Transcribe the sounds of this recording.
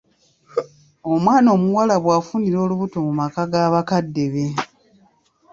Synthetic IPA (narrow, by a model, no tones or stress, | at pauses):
omwaːno̞ːmuwalaβwaːfuniɾo̞ːluβuto̞mumakaɡaːβakadːe̞βe̞